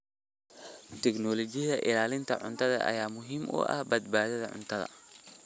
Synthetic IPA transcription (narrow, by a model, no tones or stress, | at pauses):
t̪ʰɛknɔːlɔt͡ʃɪjðɐʔɪlaːlɪnt̪ʰɐʕʊ̰nt̪ʰɐðɐ̰ʔɐ̰jaːmʊɦiːmʔʊ̰ʔɐ̰hbɐd̪̚baːðɐðɐʕʊ̰nt̪ʰɐðɐ̰